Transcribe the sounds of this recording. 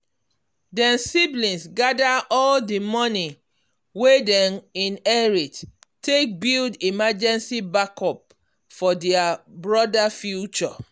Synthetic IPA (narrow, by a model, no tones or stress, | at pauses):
dɛ̃nsiblĩnsɡadaʔɔldimɔni | wedɛ̃nĩnɛɹittek̚bildimad͡ʒɛ̃nsibakɔp̚ | fɔdɛabɹɔdafjut͡ʃɔ